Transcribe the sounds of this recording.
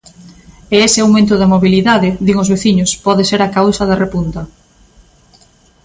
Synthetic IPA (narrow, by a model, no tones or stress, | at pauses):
eesɪawmẽnt̪ʊðɐmoβiliðaðɪðiŋozβeθiɲʊspɔðeseɾakawsɐðɐrepunt̪ɐ